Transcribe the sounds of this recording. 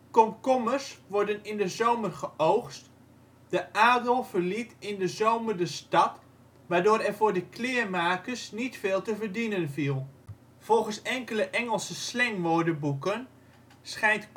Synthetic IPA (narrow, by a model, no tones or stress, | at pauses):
kɔmkɔmərsʋɔɹdənɪndəzowmərχəʔowxst | d̥əʔaːdəlˠv̥ərlitɪndəzowmərdəstɑt | ʋaːɹdʊːɾɛvʊːɹdəkʰlɪːɹmaːkəɹsnitfeːlˠtəvərdinənvilˠ | v̥ɔlˠχənsɛŋkələʔɛŋəlˠsəslɛŋʋoːdəbukən | sχɛjnt